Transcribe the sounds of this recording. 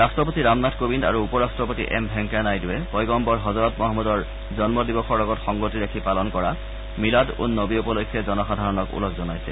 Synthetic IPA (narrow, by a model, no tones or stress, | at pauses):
ɹastɹɔp̬otiɹamnatkobinda̰ɹuːpɔɹastɹɔpotḭʔɛ̰mbʱɛŋkanajdiwɛpɔjɡɔmpɔɹɦɔzɔɹɔtmɔɦɔmɔdɔɹ | zɔnmɔdibɔxʰɔɹlɔɡɔtxɔŋɡotiɹakʰipalɔnkɔɹa | miladṵnːobiupɔlojkʰːjɔzɔnɔxadʱaɹɔnɔkṵlɔkʰzɔnajsɛ̰